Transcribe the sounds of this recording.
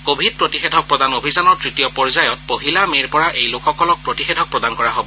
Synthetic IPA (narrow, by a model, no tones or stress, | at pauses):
kobʱid̚pɹotixedʱɔk̚pɹɔdanobʱizanɔɹtɹitijɔpɔɹizajɔt̚poɦilameɹpɔɹaʔejlokʰɔkɔlɔk̚pɹotixedʱɔk̚pɹɔdankɔɹaɦobɔ